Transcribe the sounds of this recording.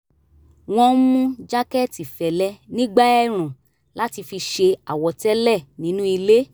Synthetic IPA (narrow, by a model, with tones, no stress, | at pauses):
w̃ɔ̃˧˦mũ˦d͡ʒa˦kɛ˦˨ti˨fɛ˨lɛ˧˦nĩ˦ɡ͡ba˦ɛ˦˨ɾ̃ũ˨ | la˦ti˧fi˧ʃe˧a˨wɔ˨˧tɛ˦lɛ˦˨nĩ˨˦nũ˦i˧le˦